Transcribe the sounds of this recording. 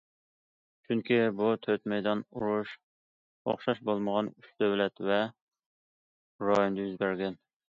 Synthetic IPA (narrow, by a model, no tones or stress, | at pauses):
t͡ʃʰyŋkʲibut̪ʰøt̪mɛjd̪ɑnuɾuʃ | o̰χʃɑʃbolˠməʁɑnyt͡ʃd̪øwlɛt̪vɛ | ɾɑjond̪ɑjyzbæɾɡʲɛn